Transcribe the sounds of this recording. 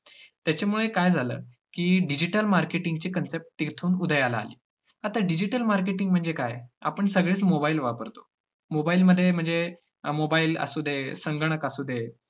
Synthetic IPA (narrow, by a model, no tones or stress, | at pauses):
t̪jat͡ɕamuɭekajd͡zʱalə̰ː | kiːɖid͡ʑiʈəlmaɾkeʈiŋɡt͡ɕiːkənsep̚ʈ̚t̪ːiɾt̪ʰuːnud̪ʱəjala̰ːlḭː | at̪aɖid͡ʑiʈəlmaɾk̬eʈiŋɡm̤əɳd͡zekaja̰pəɳsəɡɭeːt͡smobailʋapəɾt̪o̥ | mobailməd̪ʱːjem̤əɳd͡ze | mobailə̰sud̪ʱesəŋɡɳ̃əkəsud̪ʱe